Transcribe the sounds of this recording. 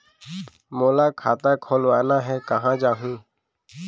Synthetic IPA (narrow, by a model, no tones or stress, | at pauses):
mɔlakʰat̪akʰɔlɔanaɦɛkaɦãd͡ʒaɦũ